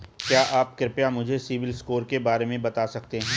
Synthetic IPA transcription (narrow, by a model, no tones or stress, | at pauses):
kjaːʔaːp̚kɾɪpjamʊd͡ʒʱesiʋɪlskoːɾkebaːɾemẽbɐt̪aːsɐk̚t̪eɦɛ̃ː